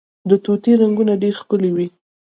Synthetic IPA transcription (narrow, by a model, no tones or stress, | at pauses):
d̪ət̪ot̪iɾaŋɡunaɖeɾxpəlewi